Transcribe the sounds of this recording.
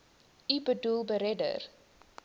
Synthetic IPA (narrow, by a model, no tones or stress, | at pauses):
ibədulˠbəɾɛdə̰r